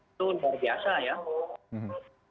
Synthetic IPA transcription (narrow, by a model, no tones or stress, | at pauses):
olbɐɾbʱjaːʃaːja